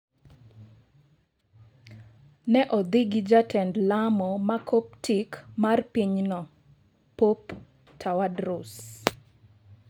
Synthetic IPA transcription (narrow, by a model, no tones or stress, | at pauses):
nɛʔɔd̪iɡid͡ʒatʰɛndlamɔmakʰop̚tʰikmarpiɲnɔ | pop | tʰawadɾʊs